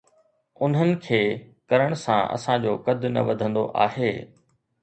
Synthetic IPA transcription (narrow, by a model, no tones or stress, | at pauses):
ʊn̤ənɪ̆kʰeːkɐɾəɽ̃sãʔɐ̰sãd͡ʑoːkɐd̪ʱʊnɐ̰ʋɐd̪ʱə̃nd̪o̰ʔa̰ːɦeː